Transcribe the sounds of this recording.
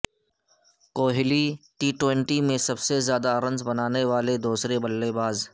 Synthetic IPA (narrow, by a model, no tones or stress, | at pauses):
koːɦɪliʈiːʈwẽɳʈimẽsɐbsezjaːd̪aɾə̃nzbɐnaːneʋaːled̪uːsɾebɐlːebaːz